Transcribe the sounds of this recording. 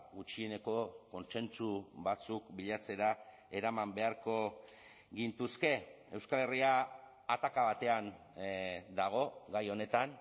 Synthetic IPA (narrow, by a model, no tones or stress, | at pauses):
ɣut͡ʃie̞ne̞ko̞ko̞nse̞nt͡suβat͡sukbiʎat͡se̞ɾa | e̞ɾamambe̞aɾko̞ | ɡint̪uske̞ | e̞wskale̞riaː | t̪akaβat̪e̞an | d̪aɣ̞o̞ɣajo̞ne̞t̪an